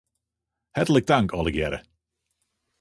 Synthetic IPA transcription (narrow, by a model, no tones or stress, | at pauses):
hɛtələɡ̚daŋkʰɔlˠəɡjɛɾə̰